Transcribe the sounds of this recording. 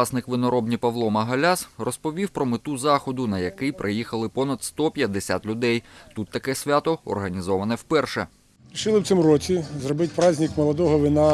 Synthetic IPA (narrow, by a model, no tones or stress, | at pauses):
ɑsnɪkʋɪnɔɾɔbnʲipɐʋlˠɔmɐɦɐlʲasrɔspɔʋʲiwpɾɔmɪt̪uzɑxɔd̪ʊnɐjɐkɪjpɾɪjixɐlˠɪpɔnɐd̪st̪ɔpʲjɐd̪ːesʲa̰t̪lʲʊd̪ɛjt̪ut̪ːɐkɛsʲʋʲat̪ɔɔ̰rɦɐnʲizɔʋɐnɛwpɛrʃɛ | ɾʲiʃɪlˠɪwt̪sɪmɾɔt͡sʲizrɔbɪtʲpɾɑzʲnʲikmɔlˠɐd̪ɔɦɔʋinɑ